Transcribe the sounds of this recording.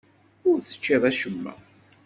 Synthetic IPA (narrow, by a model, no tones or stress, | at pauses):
ʊɾθə̥t͡ʃːiðˤæʃəmːæ̰